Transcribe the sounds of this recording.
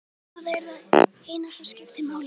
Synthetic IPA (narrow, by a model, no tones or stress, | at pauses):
aðɛɾðað | ejnat̪ḁscɪft̪ɪmaːwl